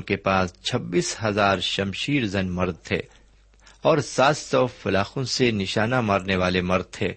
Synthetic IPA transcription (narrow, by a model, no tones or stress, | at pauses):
kepaːst͡ʃʰɐbːiːsɦɐzaːɾʃɐmʃiːɾzɐnmɐɾd̪̚t̪ʰḛː | ɔːɾsaːt̪sɔfɐlaːxõsenɪʃaːnamaːɾneʋaːlemɐɾd̪̚t̪ʰḛː